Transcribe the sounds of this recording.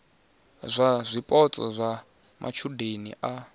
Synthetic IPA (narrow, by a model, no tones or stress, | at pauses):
zʷazʷipʼɔt͡sʼɔzʷa | mʔa̰t͡ʃʰudenḭʔa